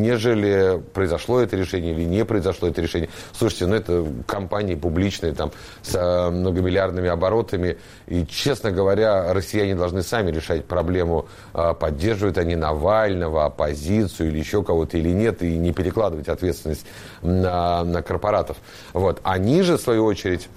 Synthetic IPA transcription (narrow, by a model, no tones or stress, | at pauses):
nʲeʐɨlʲɪpɾəɪzɐʂlˠo̞ɛt̪əɾʲɪʂɛnʲɪəilʲɪnʲepɾəɪzɐʂlˠo̞ɛt̪əɾʲɪʂɛnʲɪjəslˠuʂɨ̥tʲɪnuɛt̪əkɐmpanʲɪəpʊblʲit͡ɕnɨjət̪am | smnəɡəmʲɪlʲɪard̪nɨmʲɪɐbɐɾo̞t̪əmʲɪ | it͡ɕe̞snəɡəvɐɾʲaɾəsʲːɪjænʲɪd̪ɐlˠʐnɨsamʲɪɾʲɪʂatʲpɾɐblʲe̞mʊ | pɐdʲːe̞rʐɨvəjʊt̪ɐnʲinɐvalʲnəvəɐpɐzʲit̪sɨjʊilʲɪjɪɕːo̞kɐvo̞t̪əilʲɪnʲe̞t̪inʲɪpʲɪɾʲɪklˠad̪əvətʲɐt̪vʲet̪st̪vɪnəsʲt̪ʲ | ənəkərpɐɾat̪əf | vo̞t̪ɐnʲiʐɨfsvɐjuot͡ɕɪɾʲɪtʲ